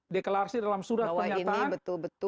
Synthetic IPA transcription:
dekəlaɾsidalamsuɾatəaɲainaanbət̪ʊlbət̪

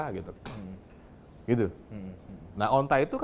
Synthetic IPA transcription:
aɡit̪u | ɡ̥it̪u | naɦɔnt̪ait̪uk

